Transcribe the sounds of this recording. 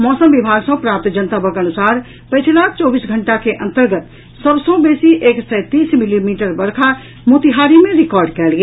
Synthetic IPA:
mɔsəmbibʱaɡsə̃pɾap̚t̪d͡ʒənt̪abəkənusaɾ | pəjt͡ʃʰlat͡ʃɔbisɡʱəɳʈakeʔə̃nt̪əɾɡət̪ | səbsə̃besiʔeksɛjt̪ismilimiʈəɾbəɾkʰa | mut̪iɦaɾimeɾikɔɾɖkɛlɡe

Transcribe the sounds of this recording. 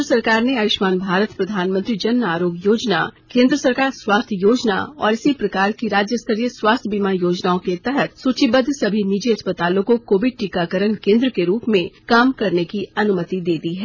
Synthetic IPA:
əsɐɾkaːɾneaːʋɪʃmaːnbʱaːɾət̪pɾɐd̪ʱaːnmə̃nt̪ɾid͡ʒɐnːaːɾoːɡjoːd͡ʒna̰kẽːnd̪ɾəsɐɾkaːɾswaːst̪ʰjoːd͡ʒna̰ɔ̰ːɾɪsipɾɐkaːɾkiɾaːd͡ʒjəst̪ʰəɾijəswaːst̪ʰbimajoːd͡ʒnaːõket̪ɛɦət̪suːt͡ʃibəd̪ʱsɐbʱinid͡ʒiɐspət̪aːlõkokoːʋɪɖ̚ʈikakəɾənkẽːnd̪ɾəkeɾuːpmẽkaːmkɐɾnekiɐnʊmət̪id̪eːd̪iɦɛː

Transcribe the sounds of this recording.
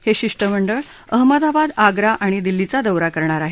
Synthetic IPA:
heɕiʂʈəm̤əɳɖəɭ | əɦməd̪abad̪aɡɾaʔaɽ̃id̪ilːit͡sad̪əwɾakəɾɳ̃aɾaɦe

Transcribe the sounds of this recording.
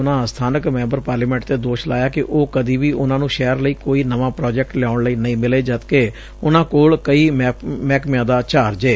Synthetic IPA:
ʊnãːst̪ʰaːnəkmɛ̃ːmbəɾpaːɾliːmɛ̃ːɳʈt̪eːd̪oːʃlaːjaːkɪʔoːkəd̪iːʋiːʔʊnãːnũːʃɛːəɾləiːkoːiːnəʋãːpɾɔːd͡ʒɛk̚ʈljaːʊɳləiːnəĩːmɪleːd͡ʒət̪keː | ʊnãːkoːlkəiːmmɛːkmɪjãːd̪aːt͡ʃaːɾd͡ʒeː

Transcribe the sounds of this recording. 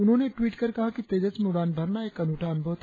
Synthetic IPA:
ʊnɦõːneʈwiːʈkɐɾkɐɦakit̪eːd͡ʒət͡ʃmuɽaːnbʱɐɾnaeːkɐnuːʈʰaːnbʱəʋt̪

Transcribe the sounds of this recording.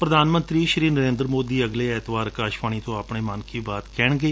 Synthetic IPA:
pɾəd̪ʱaːnmə̃nt̪ɾiːʃɾiːnəɾẽːnd̪ɾmoːd̪iːəɡleːɛːt̪ʰʋaːɾkaːʃʋãːiːt̪õːapɳeːmaːnkiːbaːt̪kɛːɳɡeː

